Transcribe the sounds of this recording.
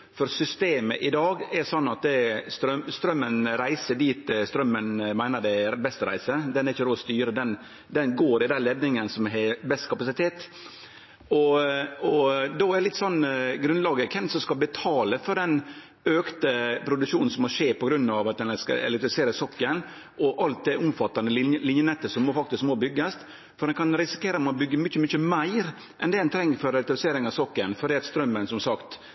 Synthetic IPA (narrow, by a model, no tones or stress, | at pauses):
fɔɾsʏst̪eːməʔɪd̪ɑːɡɛɾsɔnːɑt̪̚d̪ɛst̪ɾœmst̪ɾœmːənɾæɪsəd̪iːt̪̚d̪ɛst̪ɾœmːənmæɪnəd̪ɛbɛst̪əɾæ̰ɪsəd̪ɛnɛɾɪçːəd̪ɾoːst̪yːɾəd̪ɛn | d̪ɛnɡoːɾɪd̪ɛnlɛd̪nɪŋənsɔmɦɛbɛst̪kʰɑpɑsɪt̪ʰeːt̪ | ɔɔd̪ɔɛdɛlɪt̪ːsɔnːɡɾʉnlɑːɡəkʰɛnsɔmskɑbət̪ʰɑːləfɔɾɖ̪ɛn | øːkt̪əpʰɾʊd̪ʉkʂuːn̩sɔmɔʂeːpɔɡɾʉnːɑʋɑt̪̚d̪ɛnɛskɑ̰ɛ̰lɛkt̪ɾɪfɪseːɾəsɔkːən | ʔɔʔɑlt̪̚d̪ɛʔʊmfɑt̪ːɑnd̪əllɪnjənɛt̪ːəsɔmːoːfɑkt̪ɪskmoːbʏɡːɑst̪ | fɔɾɖ̪ɛnkʰɑnɾɪsɪ̥kʰeːɾɑt̪mɛbʏɡːəmʏçəmʏçəmæɪɾ | ʔɛnd̪ɛd̪ɛnt̪ʰɾɛŋːəfɔɾɛlɛk̚t̪ɾɪseːɾɪŋɑʋsɔkːənfɔɖɛːɑt̪st̪ɾœmːənsɔmsɑkt̪